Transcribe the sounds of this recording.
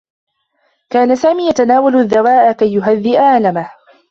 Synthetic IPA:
kaːnasaːmiːjat̪anaːwalðːawaːʔakajːʊɦaðːɪʔaʔalamah

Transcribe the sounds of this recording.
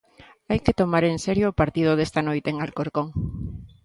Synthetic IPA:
ajket̪omaɾenseɾjoːpaɾt̪ið̞ʊðest̪anojt̪eŋalkoɾkoŋ

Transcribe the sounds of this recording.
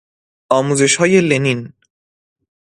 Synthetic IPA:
ɒːmuːze̞ʃhɒːje̞lenin

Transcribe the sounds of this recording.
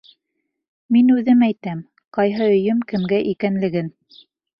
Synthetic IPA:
minʉðɘmæjt̪æm | qɑjɦɤɵ̆jɘmkɘ̆mɡæʔikænlɘ̆ɡɘn

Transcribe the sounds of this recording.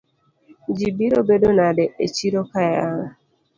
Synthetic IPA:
d͡ʒibiɾɔbedonadɛʔet͡ʃiɾɔkajaŋ

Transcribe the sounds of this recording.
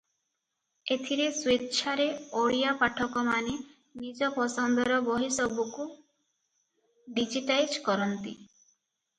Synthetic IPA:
et̪ʰiɾeswet̪t͡ʃʰaɾeoɽijapaʈʰɔkɔmane | nid͡ʒɔpɔsɔnd̪ɔɾɔbɔɦisɔbuku | ɖid͡ʒiʈajd͡ʒkɔɾɔnt̪i

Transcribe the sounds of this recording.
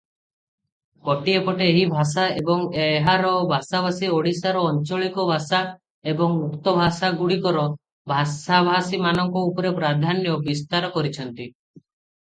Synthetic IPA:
kɔʈiepɔʈeːɦibʱasaebɔŋeeɦaɾɔbʱasabʱasioɽisaɾɔːnt͡ʃɔɭikɔbʱasa | ebɔŋmukt̪ɔbʱasaɡuɽikɔɾɔ | bʱasabʱasimanɔŋkɔupɔɾepɾad̪ʱanjɔbist̪aɾɔkɔɾit͡ʃʰɔnt̪i

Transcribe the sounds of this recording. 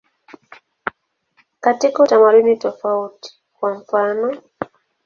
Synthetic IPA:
katikautamadunitɔfauti̥ | kwaɱfaːnɔ

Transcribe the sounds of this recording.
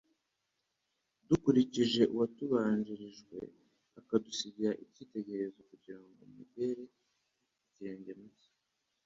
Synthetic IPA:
dukuɾiciʒe̞ʔuwatuβaːɲd͡ʒiɾiʒɡwe̞̰ | akadusiɟiɾaʔicite̞ɟe̞ɾezo̞kuɟiɾaŋɡo̞̰mube̞ɾe | iciɾe̞ːɲɟemizḁ

